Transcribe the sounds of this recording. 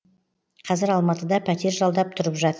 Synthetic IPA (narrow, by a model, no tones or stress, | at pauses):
qʰɑzɪɾɑlˠmɑt̪əd̪ɑpʰæt̪e̞ɾʒɑlˠd̪ɑp̚t̪ʰʊɾəpʒɑt̪ə